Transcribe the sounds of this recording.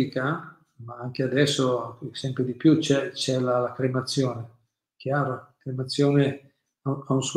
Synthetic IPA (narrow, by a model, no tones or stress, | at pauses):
ika | maaŋk̟ead̪ɛsːosɛmpɾed̪ipjut͡ʃɛt͡ʃɛlalakɾemat̪sːjoːne | kjaːɾokɾemat̪sːjoːne | aaunsu